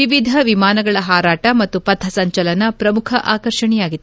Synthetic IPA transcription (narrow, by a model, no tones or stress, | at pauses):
iʋid̪ʱɐʋimaːnɐɡɐɭɐɦaːɾaːʈɐmɐt̪ːupɐd̪ʰʱːɐsɐɲt͡ʃɐlɐnɐpɾɐmukʰɐʔaːkɐɾʂɐɳɛjaːɡit̪ː